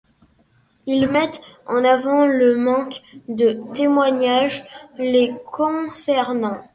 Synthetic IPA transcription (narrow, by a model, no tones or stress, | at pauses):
ilmɛt̪ɑ̃navɑ̃ləmɑ̃kd̪ət̪emwaɲaʒlekʰɔ̃sɛʁnɑ̃